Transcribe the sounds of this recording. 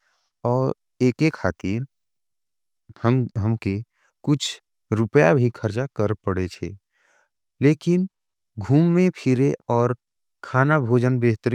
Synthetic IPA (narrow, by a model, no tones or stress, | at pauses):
ɔːɾ | eːkekʰaːt̪iːɾ | həmɦəmke | kʊt͡ʃʰ | ɾʊpəjabʱikʰəɾt͡ʃakəɾpəɽet͡ʃʰḛ | leːkɪn | ɡʱuːmːẽpʰɪɾeɔːɾ | kʰaːnabʱoːd͡ʒənbeːɦt̪əɾi